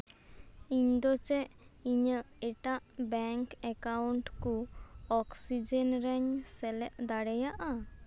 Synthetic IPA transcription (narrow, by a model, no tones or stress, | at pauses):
iɲd̪ɔt͡ʃɛʔiɲəɛʈaʔbɛŋkɛkawɳʈkuɔksid͡ʒɛnɾɛɲsɛlɛʔd̪aɽɛjaʔa